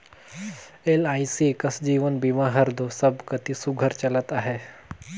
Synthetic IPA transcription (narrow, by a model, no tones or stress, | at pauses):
elaːisikəsd͡ʒiːʋənbimaɦəɾd̪ʱosəbkɐt̪isuɡʱəɾt͡ʃɐlət̪aɦeː